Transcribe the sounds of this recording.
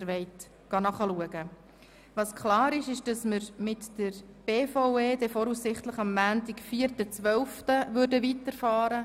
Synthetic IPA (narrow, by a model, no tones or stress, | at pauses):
ɾʋɛɪt | ɡ̥ɑnɑχɑluəɡə | ʋɑskʰlɑːɾɪʃɪʃd̥ɑsməɾmɪtd̥əɾ | b̥eːfoʊeːdɛfɔɾussɪχtləχɑmːæːntɪkfiəɾtət͡sʋœlftəʋʏɾdəʋitəɾfɑːɾə